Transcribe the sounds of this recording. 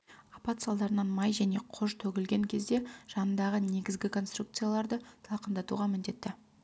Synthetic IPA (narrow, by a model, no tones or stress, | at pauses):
ɑpɑt̪sɑlˠd̪ɑɾənɑnmɑjʒæne̞qʰʊʒt̪ʰɵɡʲɪlɡʲe̞ŋkʲʰe̞zd̪e̞ʒ̥ɑnənd̪ɑʁəne̞ɡʲɪzɡʲɪkʰo̞nst̪rukt̪sɨjalˠɑɾd̪ət̪ʰlˠqənd̪ɑt̪ṵʁɑmɪnd̪e̞t̪ːɪ